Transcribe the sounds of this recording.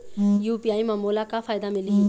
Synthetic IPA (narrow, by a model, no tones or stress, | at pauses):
juːpijaːimɐmolakafʰaːjd̪amɪli